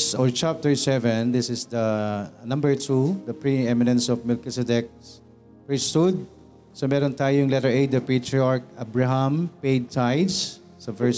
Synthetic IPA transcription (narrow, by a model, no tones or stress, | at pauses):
ɔɹt͡ʃap̚t̪ɛɹsɛvɛ̃nd̪ɪsɪsd̪ɐnɐmbɛɹt̪ʰud̪ɐpɹiɛmɪnɛ̃nsɔvmɪlkɪsɛd̪ɛk̚ | pɛstud̪̚ | somɛːɾɔnt̪aːjojʊŋlɛt̪ɛɹejd̪ɐpet̪ɹɪaɹk̚abɹaɦampejd̪̚t̪ʰajd̪s | sɐfɛɹs